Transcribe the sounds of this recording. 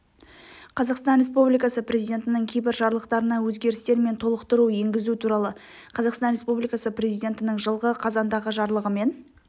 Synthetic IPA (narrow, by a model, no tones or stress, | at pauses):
qʰɑzɑqst̪ɑnɾʲe̞spublijkɑsəprʲe̞zijdʲe̞nt̪ɪnɪŋkʲʰejbɪɾʒɑɾlˠəqt̪ɑɾənɑwɵzɡʲe̞ɾɪst̪e̞ɾme̞nt̪ʰo̞lˠəqt̪əɾuje̞ŋɡʲɪzut̪ʰuɾɑlˠə | qʰɑzɑqst̪ɑnɾʲe̞spublijkɑsəprʲe̞zijd̪ʲe̞nt̪ɪnɪŋʒəlˠʁəqʰɑzɑnd̪ɑʁəʒɑɾlˠəʁəme̞n